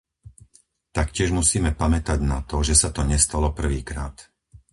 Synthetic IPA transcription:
t̪akcɪɛʒmusiːmɛpamɛt̪aɟnat̪ɔʒɛsat̪ɔɲɛst̪alɔpr̩ʋiːkɾa̰ːt̪

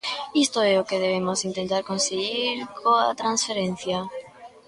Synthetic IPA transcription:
ist̪oeokeð̞eβemosint̪ent̪aɾkõnseɣiɾkʰoa̰t̪ɾansfeɾẽn̟θja

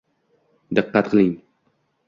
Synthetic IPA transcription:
d̪ɨqːat̪̚qʰəlˠɪŋ

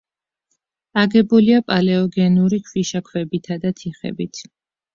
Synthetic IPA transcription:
aɡɛbuliapʼalɛɔɡɛnuɾikʰwiʃakʰwɛbit̪ʰad̪at̪ʰiχɛ̰bit̪ʰ

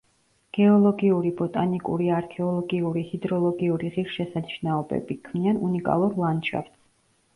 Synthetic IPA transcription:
ɡ̥ɛɔlˠɔɡiuɾibɔt̪ʼanikʼṵɾiaɾkʰɛɔlˠɔɡiuɾihid̪ɾɔlˠɔɡiuɾiʁiɾʃɛsaniʃnaɔbɛ̰bikʰmianunikʼa̰lˠuɾlˠanʃa̰ft̪s

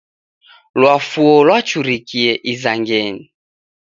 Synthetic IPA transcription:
lwafuɔlwat͡ʃuɾikiɛʔizaŋɡɛni

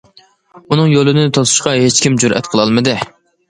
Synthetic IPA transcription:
unɨŋjolˠɨnɪt̪ʰozu̥ʃqɑɦet͡ʃkʲimd͡ʒuɾʔɛ̰t̪qʰəlˠɑlˠmɨd̪ɨ

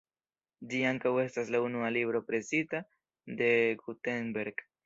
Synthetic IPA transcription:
diaŋkawest̪aslaunualiβɾopɾesit̪a | d̪eɡut̪enbeɾk

